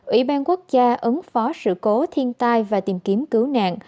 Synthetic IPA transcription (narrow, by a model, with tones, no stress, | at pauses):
ʔwḭ˧˩ɓaː˧nku˦˥ək̚zaː˧ʔə˨˦ŋfɔ˨˦sɨ̰˧˨ko˨˦t̪ʰi˧ənt̪aː˧jvaː˨˩t̪i˨˩mki˨˦əmkɨ˨˦wna̰ː˧˨ŋʔ